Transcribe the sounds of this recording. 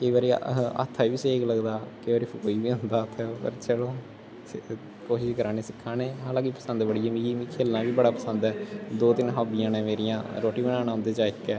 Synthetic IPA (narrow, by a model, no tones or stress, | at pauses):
kəiːʋaːɾḭːə̰t̪ʰːaːiːʋiːseːkləɡd̪aːkəiʋaːɾiːpʰʊkoːiːʋiːɦʊ̃nd̪aːt̪ʰːɛːpə̰ɾt͡ʃəloː | koːʃɪʃkəɾaːneːsɪkʰːaːneːɦaːlãːkipə̥sənd̪bəɽiːɛːmĩɡiːmĩːkʰeːlnãːʋiːbəɽaːpəsənd̪ɛːd̪oːt̪ɪnɦaːbɪijãːnɛ̃ːmeːɾijãːɾoːʈiːbənãːñãːɦʊ̃nd̪eːt͡ʃaːɪkːɛː